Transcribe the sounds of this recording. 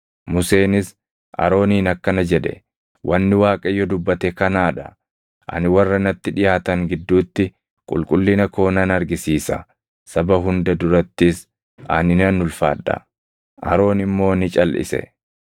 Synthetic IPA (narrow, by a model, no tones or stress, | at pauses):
mʊse̞ːnɪs | ʔɐ̰ɾo̞ːniːnɐkːɐnɐd͡ʒɛᶑɛ̰ | wʔɐnːɪwaːkʼɐjːɔd̪ʊbːɐt̪ɛkɐnaːᶑɐ | ʔɐ̰nɪwɐrːɐnɐt̪ːɪᶑɪjaːt̪ɐŋɡɪd̪ːuːt̪ːɪ | kʼʊ̰lkʼʊlːɪnɐko̞ːnɐnɐɾɡɪsiːsɐ̰ | sɐbɐɦʊnd̪ɐd̪ʊɾɐt̪ːɪs | ɐnɪnɐnːʊlfa̰ːᶑːɐ̰ | ʔɐɾo̞ːnɪmːo̞ːnɪt͡ʃʼɐlʔɪ̰sɛ̰